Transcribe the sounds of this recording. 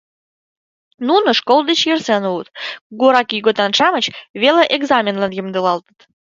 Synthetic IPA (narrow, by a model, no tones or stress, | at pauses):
nunəʃkolˠd̪ət͡ɕjərsenuət̪kuɡuɾɑkjyɣot̪ɑnʃɑmət͡ɕβeleʔeɡzɑmʲenlɑnjəmd̪əlɑlt̪ə̥t̪